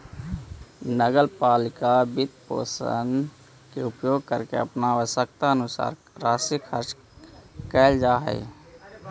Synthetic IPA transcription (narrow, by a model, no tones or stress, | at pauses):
nəɡəlpaːlɪkabɪt̪̚po̰ːsə̰n | keʊpjoːɡ̚kəɾkḛəpnaʋəsək̚t̪aənʊsa̰ːɾ | ɾaːsikʰəɾt͡ʃ | kɛːld͡ʒaːɦɛ̰j